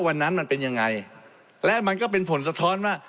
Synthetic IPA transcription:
wa˧nːa˦˥nma˧npe˧nja˧ŋːa˧j | lɛ˦˥ma˧nkɔː˥˩pe˧npʰo˩˦ns̬a˧t̪ʰɔː˦˥nwaː˥˩

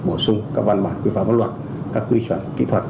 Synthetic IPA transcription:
ɓo˧˩sʊ˧ŋ͡mkaː˦˥k̚va˧nɓaː˨˩nkwi˧faː˧˨və˨˦nlwa˨˩t̚ | kaː˦˥kːwi˧t͡ɕwə˧˩nkḭ˧˥t̪ʰwə˨˩t̚

